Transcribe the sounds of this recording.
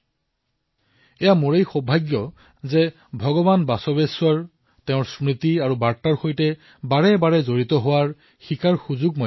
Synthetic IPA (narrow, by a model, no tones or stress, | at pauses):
ɛjamuɹejxɔbʱajɡjɔ | zɛ | bʱɔɡɔbanbasɔbesʊwaɹ | tɛʊ̃ɹsmɹitiaɹubaɹtaɹxojtɛ | baɹɛbaɹɛzoɹitɔɦʊwaɹ | xikaɹxuzuɡ̚mo